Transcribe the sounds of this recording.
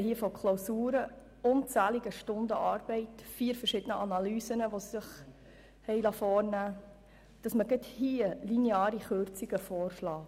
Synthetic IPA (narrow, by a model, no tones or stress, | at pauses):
ɦiːəfɔkʰlowsuːɾə | ʊnt͡sæːliɡəʃtʊndəʔɑːɾb̥ɛɪtfiːəɾfəɾʃɪd̥ənəʔɑnɑlyːsənəʋosɪχ | hɛɪlɑfɔːɾnæː | d̥ɑsməɡɛthiəlineɑːɾiχøɾt͡siɡəfɔːɾflɑː